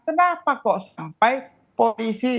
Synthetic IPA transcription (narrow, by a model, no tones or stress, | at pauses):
kənapakɔʔsampaj | polisi